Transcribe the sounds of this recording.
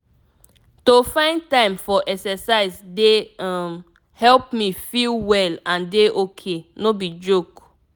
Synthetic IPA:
tofãɪ̃nd̚tãɪ̃mfɔʔɛksɛsaɪzdem | hɛlpmifilwɛlãndeʔokʰenobid͡ʒok

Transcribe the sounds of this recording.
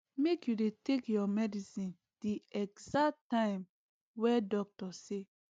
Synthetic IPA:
mekjudetekjɔmɛdisĩn | d̥iɛɡzak̚tːãɪ̃m | wɛdɔk̚tɔse

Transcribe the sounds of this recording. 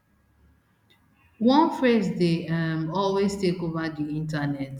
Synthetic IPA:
wɔ̃nfɹezdeamɔlwestekovadiĩntanɛt

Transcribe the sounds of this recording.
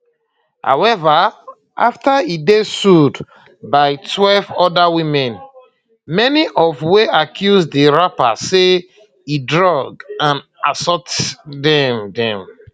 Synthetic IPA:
ha̰ʊwɛva | ʔaftaidesud | baɪtʰwɛlvɔdawĩmɛ̃n | mɛniʔɔvweʔakʰjuzdiɹapase | idɹɔɡãn | ʔasɔtdɛmdɛ̃m

